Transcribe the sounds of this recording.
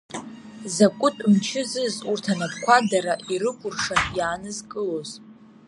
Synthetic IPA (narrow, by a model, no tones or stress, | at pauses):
zakʷʼʊtʼmt͡ʃʰɪzɨzurtʰanapʰʼkʷʰadaɾaʔiɾɨkʷʼʊrʂajaːnɨzkʼɨlo̞z